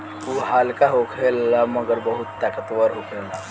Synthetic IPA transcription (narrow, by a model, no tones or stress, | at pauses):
uɦalkaɦokʰelːaməɡəɾbəɦut̪ːakət̪ʋəɾɦokʰela